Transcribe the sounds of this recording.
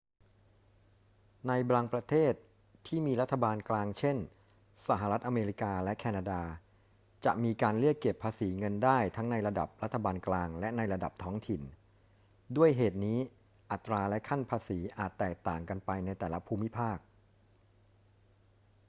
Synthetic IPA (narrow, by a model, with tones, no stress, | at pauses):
na˧jblaː˧ŋpɾa˧t̪ʰeː˥˩t̪ʰː | iː˥˩miː˧ɾa˥t̪ʰːa˧baː˧nklaː˧ŋt͡ɕʰe˥˩n | sa˧˩ɦa˨˩ɾa˦˥t̪̚ʔa˧meː˧ɾi˦˥kaː˧lɛ˦˥kʰɛː˧naː˧daː˧ | t͡ɕa̰˨˩ʔmiː˧kaː˧nli˥˩əkːe˨˩pʰːaː˧siː˩˦ŋɤ˧ndaː˥˩jt̪ʰa˦˥ŋna˧jɾa˧da̰˨˩p̚ɾa˦˥t̪ʰːa˧baː˧nklaː˧ŋlɛ˦˥na˧jɾa˧da˨˩p̚t̪ʰɔː˦˥ŋt̪ʰi˨˩n | du˥˩əjɦeː˨˩t̪̚niː˦˥ | ʔa˨˩t̪ːɾaː˧lɛ˦˥kʰa˥˩npʰaː˧siː˩˦ʔaː˨˩t̪ːɛː˨˩k̚t̪aː˨˩ŋka˧npa˧jna˧jt̪ɛː˨˩la˦˥pʰuː˧mːi˦˥pʰaː˥˩k̚